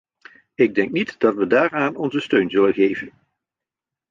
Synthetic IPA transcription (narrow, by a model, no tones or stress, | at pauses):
ɪɡ̚dɛŋk̚nitdɑtʋədaːraːnɔnzəstøɥnzɵlənɣejvən